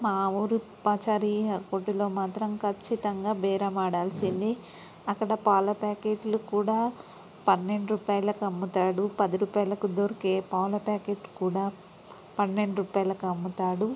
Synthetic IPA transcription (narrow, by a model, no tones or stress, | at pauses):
maːuːɾupaːt͡ʃaːɾiɐkoʈːilo̞ːmaːt̪ɾɐmkʰɐt͡ʃːit̪ɐŋɡaːbɛːɾɐmaːɽaːlsind̪i | ɐkːɐɽɐpaːlɐpaːkeːʈlukuːɽaː | pɐnːe̞ɳɖuɾuːpaːjɐlɐkɐmːut̪aːɽupɐd̪iɾuːpaːjɐlɐkud̪oːɾɐkeːpaːlɐpaːkeːʈkuːɽaː | pɐnːeɳɖuɾuːpaːjɐlɐkɐmːut̪aːɽu